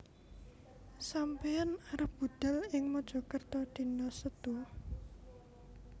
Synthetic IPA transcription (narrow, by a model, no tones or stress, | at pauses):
sampeanaɾəp̚b̥ud̪̥a̤lɪŋmɔd̥ʒ̥ɔ̤kərt̪ɔd̪̥i̤nɔsət̪oh